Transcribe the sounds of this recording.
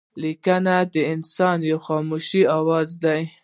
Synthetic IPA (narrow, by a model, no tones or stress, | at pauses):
likanad̪əɪnsɑnjawxɑmoʃiɑwɑzd̪aj